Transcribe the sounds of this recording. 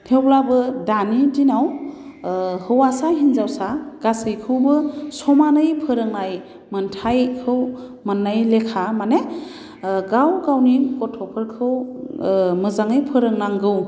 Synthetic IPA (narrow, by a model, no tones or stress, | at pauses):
tʰewlabɯdanidinaw | hɯwasaɦinzawsaɡ̥asɯjkʰɯwbɯsɔmanɯjpʰɯɾɯŋnaj | mɯntʰajkʰɯw | manːajlekʰamane | ɡawɡawnikɔtʰɔpʰɯɾkʰɯw | mɯzaŋɯjpʰɯɾɯŋnaŋɡɯw